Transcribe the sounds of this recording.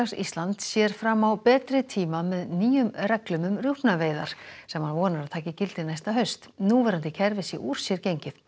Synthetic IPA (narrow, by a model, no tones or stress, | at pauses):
asḭst̪lant̪sjɛːɾ̥fɾamːawpɛːt̪ɾɪt̪ʰiːmamɛðniːjʏmrɛklʏmʏmrjuhpnaveːjða̰ɾ̥sɛmhanvɔːnaɾaðt̪ʰaːcɪcɪlt̪ɪnajst̪aɦœɥst̪nuvɛːɾant̪ɪcʰɛɾvɪsɪ̰ʔuːɾ̥sjɛɾcejɲcɪθ